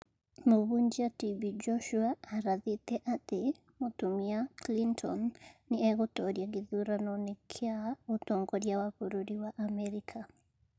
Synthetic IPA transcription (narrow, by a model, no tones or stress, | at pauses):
moβuɲd͡ʒiatibid͡ʒɔʃuaːɾaðitɛʔate | motumiaklintʰɔnːiɛɣotɔɾjaɡiðuɾanɔnekʰjautɔŋɡɔɾjawakoɾoɾiwaʔamɛɾikʰa